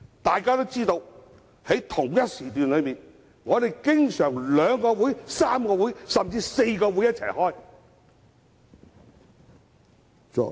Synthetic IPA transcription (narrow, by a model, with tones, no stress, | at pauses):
t̪aː˨jkaː˥t̪o˥wt͡siː˥t̪o˧w | he˨˥jt̪ʰʊ˨˩ŋjɐ˥t̚siː˨˩t̪yː˨nlɵ˨˧ɥmiː˨n | ŋɔː˨˧d̪e˨jkɪ˥ŋsœː˨˩ŋlœː˨˧ŋkɔː˧wuː˨˥jsaː˥mkɔː˧wuː˨˥jsɐ˨˩mt͡siː˧se˧jkɔː˧wuː˨˥jɐ˥t̚t͡sʰɐ̰˨˩jhɔː˥˩j